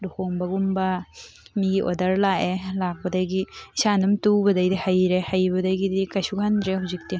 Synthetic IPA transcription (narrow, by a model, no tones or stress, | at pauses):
dukoŋbɐɡumbɐmiɡiʔodɐɾlaʔelak̚bɐdajɡiisanɐmtubɐdajdihajɾehajbɐdajɡidikajsukandɾehawzik̚ti